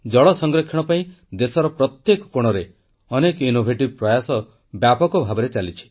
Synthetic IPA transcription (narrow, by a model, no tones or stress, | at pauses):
d͡ʒɔɭɔsɔŋɡɾɔkʰːjɔɽ̃ɔpaĩ | d̪esɔɾɔpɾɔt̪jekɔ̥koɽ̃ɔɾe | ɔnekinobʱeʈib̚pɾɔjasɔ | bjapɔkɔbʱabɔɾet͡ʃalit͡ʃʰi̥